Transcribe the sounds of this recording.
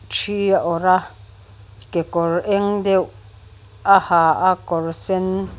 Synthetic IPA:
t͡ʃijaʔoɾa | kekɔɾeŋdew | ahaakɔɾsen

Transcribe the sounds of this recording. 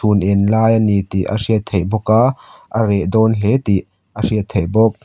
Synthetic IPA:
sunʔɪnlaːjənit̪iʔə̰siət̪ʰejbɔkaʔəɾɛʔd̪ɔːnlet̪iʔ | ʔəsiət̪ʰːejbɔk̚

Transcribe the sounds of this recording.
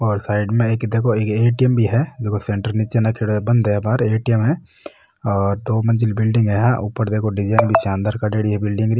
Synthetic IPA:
ɔːɾsaːɪɖmẽeːkd̪eːkʰoeːkeːʈijəmbʱiɦɛd͡ʒeːkʰosẽːɳʈəɾniːt͡ʃenɐkʰeɽobɐ̃nd̪ebaːɾeːʈijəmɦɛ | ɔːɾd̪oːmɐ̃nd͡ʒɪlbɪlɖɪ̃ŋɡɦɛɦãʔuːpəɾd̪eːkʰoɖɪd͡ʒaːɪnbʱisãːnd̪aɾkaɖeːɽiɦɛbɪlɖɪ̃ŋɡɾi

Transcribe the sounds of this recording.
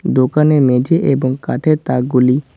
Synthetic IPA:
d̪okanemed͡ʑeʔeboŋka̰ʈʰet̪ak̚ɡuli

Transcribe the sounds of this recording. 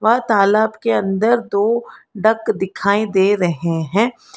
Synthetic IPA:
ʋɐɦt̪aːlaːbkeɐ̃nd̪əɾd̪oːɖəkd̪ɪkʰaːĩd̪eːɾɐɦeɦɛ̃ː

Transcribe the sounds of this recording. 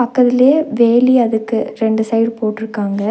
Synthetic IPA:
ɐkːɐðɪleːʋeːliɐðɯkːɯɾɛɳɖɯsɐɪɖpoːʈːɪɾɯkːaːŋɡɐ

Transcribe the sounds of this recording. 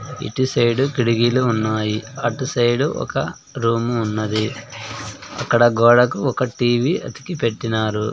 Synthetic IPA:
ḭʈisɐjɽukiɽiɡiːluːnːaːjiaːʈisɐjɽuʔɔ̰kɐ̰ | ɾuːmuːnːɐd̪i | ɐ̰kːɐɽɐɡɔːɽɐkuɔkɐʈiːʋiɐ̰t̪i̥kipe̞ʈːinaːɾṵ

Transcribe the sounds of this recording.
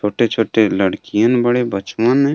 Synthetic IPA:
t͡ʃʰoːʈet͡ʃʰoːʈeləɽkijə̃nbəɽebət͡ʃmənɛ

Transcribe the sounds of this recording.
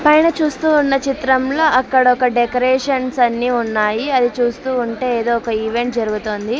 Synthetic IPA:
pɐjnɐt͡ʃuːst̪uːnːɐt͡ʃit̪ɾɐmlo̞ːɐkːɐɽɐɔkɐɖekoɾɛːʂɐnsɐnːiːunːaːjiɐd̪it͡ʃuːst̪uːuɳʈe̞ːeːd̪oːkɐiʋe̞ɳʈ̚d͡ʒɐɾuɡut̪oːnd̪i

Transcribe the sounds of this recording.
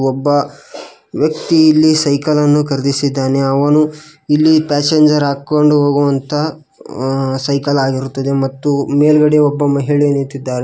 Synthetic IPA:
ɔbːɐ | ʋjɐkt̪iːlːisɐjkɐlɐnːukɐɾd̪isid̪ːaːne̞ɐʋɐnu | ilːipaːseɲd͡ʒɐɾaːkːoɳɖuɦoːɡuʋɐnt̪ʰɐ | sɐjkɐlaːɡiɾut̪ːɐd̪e̞mɐt̪ːumeːlɡɐɽeɔbːɐmɐɦiɭeniɾt̪id̪ːaːɾe

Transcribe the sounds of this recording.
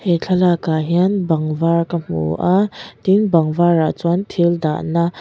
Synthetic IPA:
hɛt͡ɬʰalakaɦianbɐŋvaɹkɐm̥ṵʔat̪iŋbɐŋvaɹa̰ʔt͡suant̪ʰild̪a̰ʔna

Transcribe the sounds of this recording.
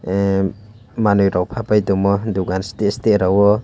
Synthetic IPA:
manujɾawpʰapajdɔmɔduɡanstesteɾawɔ

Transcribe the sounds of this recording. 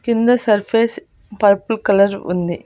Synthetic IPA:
kɪnd̪ɐsɐɾfeːs | pɐɾpːɯlkɐlɐɾʊ̰nd̪i

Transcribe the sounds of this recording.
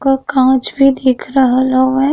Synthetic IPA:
kakãːt͡ʃbʱid̪eːkʰɾəɦalaoɦɛː

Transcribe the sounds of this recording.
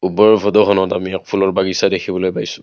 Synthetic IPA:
ubɔɹbʱɔdɔɦɔnɔtamiɛk̚pʰulɔɹbaɡisadekʰibɔlojbajsʊ̥

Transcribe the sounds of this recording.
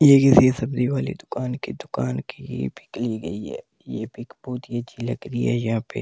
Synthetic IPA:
jeːkɪsisɐbd̪iʋaːlḭd̪ʊkaːnkid̪ʊkaːnkiḭpɪkliɡɐ̰iɦɛ̰ː | jḛpɪkbɔːt̪ijet͡ʃilɐ̰ɡɾiɦɛ̰ːjɐɦãːpḛ

